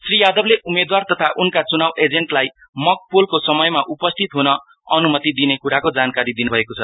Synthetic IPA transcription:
srijad̪ʌbleʔumed̪wart̪ʌt̪ʰaʔunkat͡sunawed͡zeɳʈlaj | mʌk̚polkosʌmʌjmaʔupʌst̪ʰit̪ɦunʌ | ʌnumʌt̪id̪inekuɾakod͡zankaɾid̪inubʱʌekot͡sʰʌ

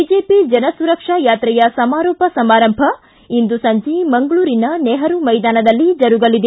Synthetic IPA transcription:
id͡ʒeːpid͡ʒɐnɐsuɾɐkʂɐjaːt̪ɾɛjɐsɐmaːɾɔːpɐsɐmaːɾɐmbʱɐ | ind̪usɐɲd͡ʒimɐŋɡɐɭuːɾinɐnɛːɦɐɾumɐjd̪aːnɐd̪ɐlːid͡ʒɐɾuɡɐlid̪e

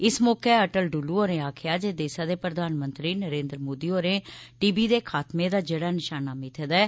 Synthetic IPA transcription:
ɪsmɔːkeːəʈəlɖuːluːɦoːɾẽːaːkʰjaːd͡ʒeːd̪eːsaːd̪eːpɾəd̪ʱaːnmənt̪ɾiːnəɾẽːnd̪ɾmoːd̪iːɦoːɾẽːʈiːbiːd̪eːkʰaːt̪mẽːd̪aːd͡ʒeɽaːnɪʃaːnaːmɪt̪ʰed̪ɛː

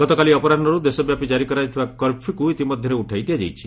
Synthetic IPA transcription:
ɡ̥ɔt̪ɔkaliɔpɔɾaɔɾud̪esɔbjapid͡ʒaɾikɔɾajt̪ʰibakɔɾpʰikuit̪imɔd̪ʱjɔɾeuʈʰajd̪ijad͡ʒajt͡ʃʰi̥

